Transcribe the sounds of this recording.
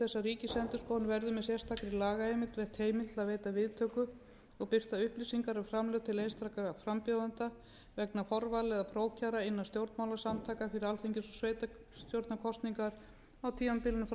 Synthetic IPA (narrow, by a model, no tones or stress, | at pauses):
θɛsːariːcɪsɛnt̪ʏɾ̥skɔwnvɛɾðʏmɛðsjɛr̥t̪ʰakɾɪlaːɣaejmɪt̪vɛð̥t̪heːjmɪlt̪aðveːjt̪avɪðt̪ʰœːkʏ | ɔɣpɪr̥t̪aʏhplisiŋkaɾafɾamlœɣt̪ʰɪlejnst̪ʰɾakaafɾampjoːwðant̪a | vɛknafɔɾvalɛðapʰɾoːwcaɾaɪnːast̪jowɾt̪mawlasamt̪ʰaːkafɪɾɪɾalθiɲcɪsɔsveːjt̪a | st̪jowɾt̪nakʰɔst̪niŋkaɾ̥ | awt̪ʰiːmampɪlɪnʏf